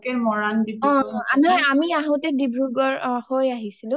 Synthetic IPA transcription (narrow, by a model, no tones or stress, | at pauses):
kɛɹmɔɹandibɔ̃anɔjamiaɦõtɛdibɹuɡɔɹhojaɦisilʊ̃